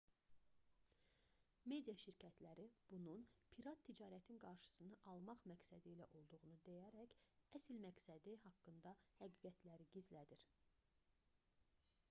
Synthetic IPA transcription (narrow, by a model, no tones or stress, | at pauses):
me̞d̪ijɑʃiɾcʰæt̪ʰlæɾib̥ununpʰiɾɑt̪ʰːid͡ʒɑːɾæt̪ʰinɡɑɾʃɯ̥sɯnɯʔɑlˠmɑχmæksæd̪iːlæʔo̞lˠd̪uʁunud̪ejæɾæçæsilmæksæd̪ihɑkːɯnd̪ɑhæɡiːɡæt̪læɾiɟizlæd̪iɾ